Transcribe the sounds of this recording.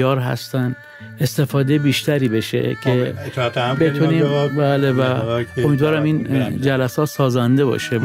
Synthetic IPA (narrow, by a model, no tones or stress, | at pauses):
ɒːɾɦæ̰st̪æn | e̞st̪e̞fɒːd̪ejbiːʃt̪æɾiːbe̞ʃḛcʰe̞t̪bet̪ʰuniːmbæːlevæomid̪vɒːɾæmiːnd͡ʒælæsɒːt̪sɒːzænd̪e̞bɒ̰ːʃe